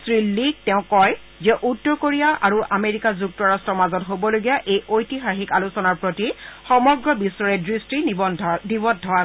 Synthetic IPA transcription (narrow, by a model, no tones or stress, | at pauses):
sɹilːiɡ̚tɛʊ̃kɔj | zɛʔutːɔɹkoɹijaʔaɹuʔameɹikazuk̚tɔɹastɹɔmazɔtɦobɔloɡijaʔejʔojtixaxikalusɔnaɹpɹotixɔmɔɡɹɔbisːɔɹɛdɹistinibɔnibɔdʱːɔa